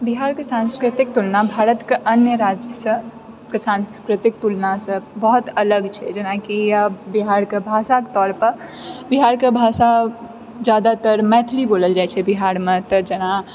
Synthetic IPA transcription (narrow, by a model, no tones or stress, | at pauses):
biɦaɾkesãnskɾɪt̪ɪk̚t̪ulnabʱaːɾət̪keʔənjəɾad͡ʒjəsə̃ | kesãnskɾɪt̪ɪk̚t̪ulnasə̃bɔɦt̪ələɡt͡ʃʰɛd͡ʒənakijabiɦaɾkebʱasaket̪ɔːɾpəɾ | biɦaɾkebʱasa | d͡ʒjad̪at̪əɾmɛt̪ʰliboːləld͡ʒajt͡ʃʰɛbiɦaɾmet̪əd͡ʒəna